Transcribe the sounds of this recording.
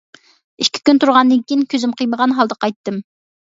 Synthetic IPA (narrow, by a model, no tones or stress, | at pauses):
iʃkʲʰi̥kʲynt̪ʰuɾʁɑnd̪ɨnkʲijinkʲʰøzymqʰəjməʁɑnɦɑlˠd̪əɑqʰɑjt̪ːɨm